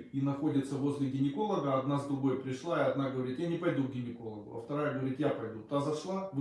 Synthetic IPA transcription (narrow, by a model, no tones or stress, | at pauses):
inɐxo̞dʲɪt̪səvo̞zʲlʲɪɡʲɪnʲɪko̞lˠəɡəɐd̪nazd̪ɾʊɡo̞jpɾʲɪʂlˠaɪɐd̪naɡəvɐɾʲit̪janʲɪpɐjd̪uɡɡʲɪnʲɪko̞lˠəɡʊ̰ɐ̰ft̪ɐɾajəɡəvɐɾʲit̪japɐjd̪ut̪ʊt̪azɐʂlˠab